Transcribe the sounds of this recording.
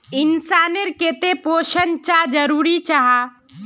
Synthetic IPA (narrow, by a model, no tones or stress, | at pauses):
ɪnsaːneɾket̪epoːʃənt͡ʃad͡ʒəɾuːɾit͡ʃaɦa